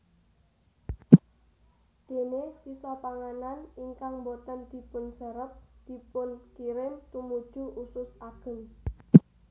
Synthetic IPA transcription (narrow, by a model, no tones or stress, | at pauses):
d̪̥e̤nesisɔpaŋananiŋkaŋmbot̪ənd̪̥i̤pʊnsəɾəp̚d̪̥i̤pʊnkiɾɪnt̪umud̥ʒ̥ṳʔusʊsaɡ̥ə̤n